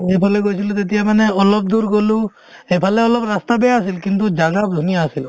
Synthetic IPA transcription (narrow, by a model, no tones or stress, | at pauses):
epʰaleɡojt͡ʃʰilut̪et̪ijamaneɔlɔb̚d̪uɾɡolu | epʰaleɔlɔbɾast̪abɛasilkint̪ud͡ʒaɡab̚d̪ʱunijaːsil